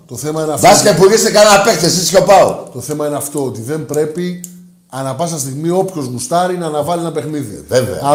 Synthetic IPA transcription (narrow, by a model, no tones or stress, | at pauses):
t̪o̞θe̞mɐineɐfvɐsi̥kɐipuɾʝest̪ekɐnɐpekt̪θesiscopɐot̪o̞θe̞mɐineɐft̪o̞ot̪iðe̞mbɾe̞pi | ɐnɐpɐs̬ɐst̪iɣmio̞pço̞zmust̪ɐɾinɐːnɐvɐlinɐpe̞xniðievḛɐ̰